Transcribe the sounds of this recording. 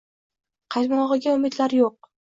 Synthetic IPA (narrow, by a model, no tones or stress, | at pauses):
qʰɑjmɒʁɨɡʲaʊmɪd̪laɾjoq̚